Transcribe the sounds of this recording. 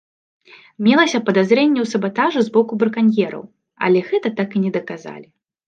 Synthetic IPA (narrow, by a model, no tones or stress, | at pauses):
mʲɛlˠɐsʲɐpɐd̪azɾɛnʲːɛwsɐbat̪aʐɨzbɔkubɾɨkanʲjɛɾɐ̰w | ɐ̰lʲɛɣɛt̪ɐt̪akɨnʲɛd̪ɐkaza̰lʲi